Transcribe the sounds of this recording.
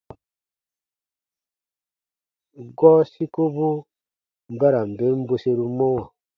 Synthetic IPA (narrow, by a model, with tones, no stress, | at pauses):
ɡɔ˦si˦ko˦bu˦ | m̩˨ba˦ɾa˨m̩˨be˨˦m̩˦bo˦se˦ɾu˦mɔ˦wa˨